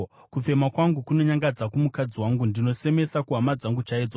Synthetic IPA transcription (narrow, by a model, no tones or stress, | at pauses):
kufe̞makwaŋɡukuno̞ɲaŋɡad͡zakumukad͡ziwaŋɡundino̞se̞me̞sakuɦamad͡zaŋɡut͡ʃaid͡zo